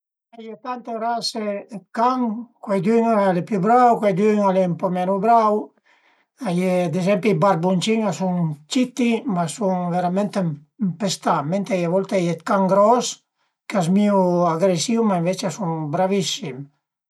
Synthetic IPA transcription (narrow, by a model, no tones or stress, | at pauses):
ajet̪ant̪eɾasekaŋkwajd̪yŋalepjubɾawkwajd̪yŋalempɔmɛnubɾaw | ajed̪ezɛmpibaɾbunt͡ʃiŋasuŋt͡ʃit̪imasuŋveɾamɛnt̪emmpest̪ament̪ajavɔlt̪ɛjet̪kaŋɡɾɔs | keas̬miuaɡɾesiwmaiɱvet͡ʃeasuŋbɾavisim